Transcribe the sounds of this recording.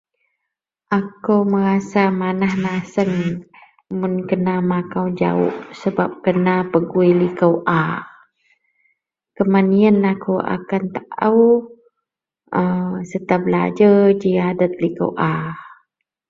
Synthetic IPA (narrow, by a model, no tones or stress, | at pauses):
ʔakəwməɾasamanahnasəŋ | mʊnkənamakawd͡ʒa̰ʊ̰ʔsəbap̚kənapəɡuilikəwʔa | kəmaniənakəwa̰kant̪aʔəw | əsət̪abəla̰d͡ʒəd͡ʒiadət̪̚likə̰wʔa